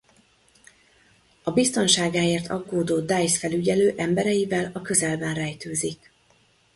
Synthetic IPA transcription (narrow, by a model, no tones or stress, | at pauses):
ɒbist̪o̞nʃaːɡaːeːrt̪ʰɒ̰ɡoːd̪oːd̪ajsfɛlyɟɛløːʔɛmbɛɾɛjivɛlɒkø̞zɛlbɛnrɛjt̪øːzik